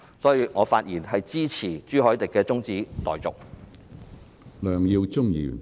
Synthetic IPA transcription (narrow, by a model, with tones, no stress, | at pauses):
sɔː˨˥jiː˨˧ŋɔː˨˧faː˧t̚jiː˨˩nɦɐ˨jt͡siː˥t͡sʰiː˨˩t͡ʃyː˥ɦɔː˨˥jt̪ɪ˨kːɛː˧t͡sʊ˥ŋt͡siː˨˥t̪ɔː˨jt͡sʊ˨k̚ | lœː˨ŋjiː˧wt͡sʊ˥ŋjḭː˨˩n